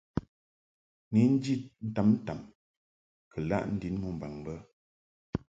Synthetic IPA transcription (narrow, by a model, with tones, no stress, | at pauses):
ni˨˦n̩˦d͡ʒi˦t̚n̩˦ta˨˦mn̩˦ta˨m | kʰə˨la̰˦˨ʔn̩˦di˨˦nmu˦˨m̩˨ba˨ŋbə˦